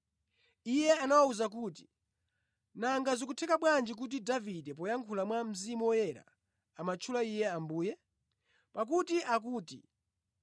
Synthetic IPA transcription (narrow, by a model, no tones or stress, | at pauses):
ijɛanawauzak̬uːti̥ | naŋɡazikutʰɛkaɓwand͡ʒik̬ut̬idavidɛpɔjaŋkʰulamwam̩zimuwɔjɛɾa̰ | amat͡ʃʰulaijɛambuːjɛ | pak̬utiʔak̬uːti